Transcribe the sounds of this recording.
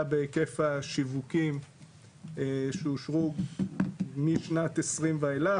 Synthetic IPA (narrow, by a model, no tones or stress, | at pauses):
abekefaʃivukim | eʃeuʃʁuɡ | miʃnat̪esʁimveela